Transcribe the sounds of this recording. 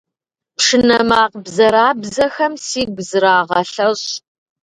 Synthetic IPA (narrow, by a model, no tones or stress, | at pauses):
pʂɨnɐmaːqbzɐɾaːbzɐxɐmsiːɡʷzɨɾaːʁɐɬɐɕ